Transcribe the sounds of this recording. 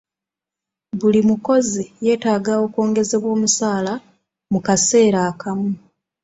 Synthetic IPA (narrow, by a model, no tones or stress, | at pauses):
βulimuko̞zije̞ːtaːɡao̞kwo̞ːŋɡe̞ze̞βwo̞ːmusaːla | mukase̞ːɾaːkamu